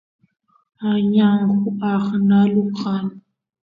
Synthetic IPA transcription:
aɲaŋ̩χuaχnaluqʰan

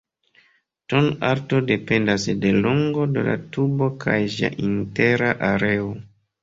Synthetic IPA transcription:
tonaɾto̞de̞pe̞ndasde̞loŋɡo̞de̞̰la̰tubo̞kʰajd͡ʒia̰ʔinte̞ɾaʔaɾe̞o

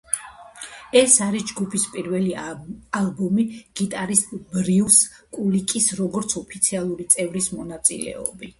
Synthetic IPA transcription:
ɛsaɾisd͡ʒɡupʰispʼiɾvɛlialˠbɔmiɡ̥it̪ʼaɾisbɾivskʼulikʼisɾɔɡɔɾt̪sʰɔpʰit̪sʰialˠuɾit̪sʼɛvɾismɔnat̪sʼḭlɛ̰ɔ̰bi

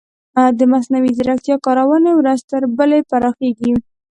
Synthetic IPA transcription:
ad̪əmasnawizɾak̚t̪jɑkɑɾawənewɾazt̪əɾbəlepaɾɑxeɡi

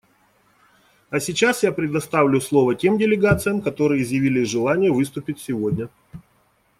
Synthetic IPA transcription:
ɐsʲɪt͡ɕasjapɾʲɪd̪ɐst̪avlʲʊslˠo̞vətʲe̞mdʲɪlʲɪɡat̪sɨjəmkɐt̪o̞ɾɨjəɪzjɪvʲilʲɪʐɨlˠanʲɪjəvɨst̪ʊpʲɪtʲsʲɪvo̞dʲnʲə

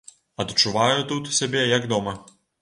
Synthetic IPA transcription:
ɐt̪t͡ʂːuvajut̪ut̪sʲabʲɛjɐɡd̪ɔmɐ

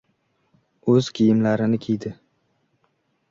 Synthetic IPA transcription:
ɵz̥kʲʰijɪmlaɾɪnɪkʲʰejd̪ɪ

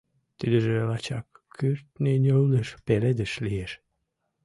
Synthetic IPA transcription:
t̪id̪əʒelɑt͡ɕɑkʰːyrt̪nʲenʲowləʃpeled̪əʃlieʃ

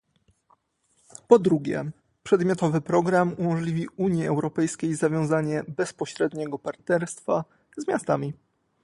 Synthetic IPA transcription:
pɔd̪ɾuɡʲɛ̰ | pʂɛd̪mʲjɔt̪ɔvɘpɾɔɡɾamumɔʐlʲivʲiuɲjiɛwɾɔpɛjskʲejzavʲjɔ̃w̃zaɲɛbɛspɔɕɾɛd̪ɲɛɡɔpaɾt̪nɛɾst̪fa | zmʲjast̪amʲi

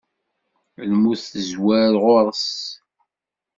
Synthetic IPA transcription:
əlmuθəzwæɾʁʊɾˤs

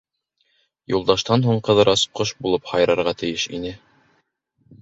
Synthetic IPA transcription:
julˠd̪ɑʃt̪ɑnɦuɴqɤ̆ðɤɾʔɑsqoʃbulˠɤphɑjɾɑɾʁɑt̪ɘ̆jɘʃḭnɘ

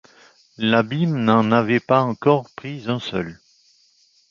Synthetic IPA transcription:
labimnɑ̃navɛpaɑ̃kɔʁpχizɛ̃sœ̰l

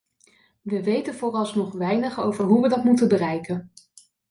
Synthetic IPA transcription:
ʋəʋejtənvʊːrɑlˠsnɔχʋɛjnəχowvəɹɦuʋədɑtmutənbərɛjkən

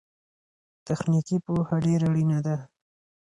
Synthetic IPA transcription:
t̪axnikipohaɖeɾaɽinad̪a

